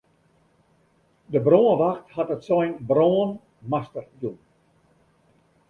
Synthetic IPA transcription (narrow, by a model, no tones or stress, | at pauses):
dəbroːənʋaxthatətsɔjnbroən | mastərdun